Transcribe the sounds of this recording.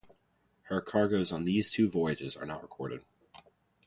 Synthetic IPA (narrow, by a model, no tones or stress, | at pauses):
hə˞kʰɑɹɡoʊzn̩ðiz̥tʰʉvɔɪɨd͡ʒɪzə̰˞nə̰ʔɹəkʰɔɹɾɨ̰d̥̚